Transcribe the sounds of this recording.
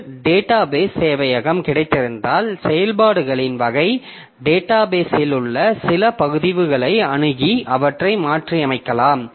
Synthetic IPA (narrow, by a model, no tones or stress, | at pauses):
ɖeːʈːaːbeːseːʋɐjɐɣɐmkɪɽɐɪt̪ːɪɾɯnd̪aːlsɛjɐlpaːɽɯɣɐɭɪnʋɐɣɐɪ | ɖeːʈːaːbeːsɪlɯɭːɐsɪlɐpɐɣɯðɪʋɯɣɐɭɐɪɐɳɯɣiʔɐʋɐʈrɐɪmaːʈriɐmɐɪkːɐlaːm